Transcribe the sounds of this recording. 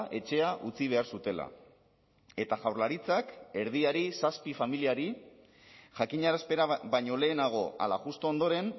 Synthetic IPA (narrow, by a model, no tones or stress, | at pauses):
ʔe̞t͡ʃe̞aʔut͡siβ̞e̞aɾsut̪e̞la̰ | e̞t̪aʝawɾlaɾit͡sake̞ɾð̞iaɾisaspifamiliaɾi | ʝakiɲaɾaspe̞ɾaβajɲo̞le̞ːnaɣ̞o̞ʔa̰la̰ɣust̪oond̪o̞ɾe̞n